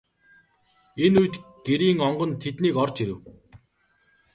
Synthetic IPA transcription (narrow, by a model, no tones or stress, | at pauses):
enujt̪ɡ̥eɾiːŋɔɴɢɞ̆nt̪ʰet̪niːkɔrt͡ɕiɾɘ̆w